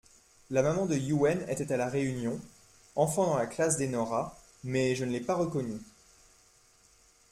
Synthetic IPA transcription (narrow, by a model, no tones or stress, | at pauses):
lamamɑ̃d̪əjuɛnḛt̪ɛt̪alaʁeynjɔ̃ | ɑ̃fɑ̃d̪ɑ̃laklas̬d̪enɔʁa | mɛʒənlɛpaʁəkɔny